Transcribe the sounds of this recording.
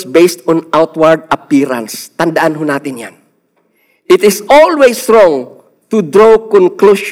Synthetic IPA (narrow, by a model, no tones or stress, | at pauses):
sbejst̪ɔ̃nʔawt̪waɹd̪̚ɐpiːɾã̰nst̪ɐnd̪aʔanɦonaːt̪ɪnja̰n | ʔɪt̪ɪsɔlwesɹɔ̃ŋ | t̪ʊd̪ɾokɔ̃nkluʃ